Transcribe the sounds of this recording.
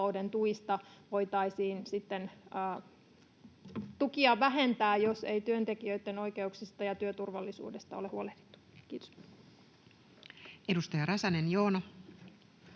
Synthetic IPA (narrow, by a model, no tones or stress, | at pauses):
oudent̪uist̪ɑʋo̞ijt̪ɑisiːnsit̪ːenː | t̪ukiɑʋæɦent̪æːjose̞it̪yønt̪ekiøit̪ːeno̞ike̞uksist̪ɑjɑt̪yøt̪urʋɑlːisṵːdest̪ɑolehuoleht̪e̥t̪ːu̥kiːt̪o̥s | edust̪ɑjɑɾɑsɑnenjoːnɑ